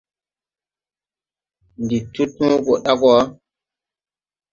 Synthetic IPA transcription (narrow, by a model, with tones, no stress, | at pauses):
ndi˨tu˦tnu˦ko˨ɗa˦kɔ˨˦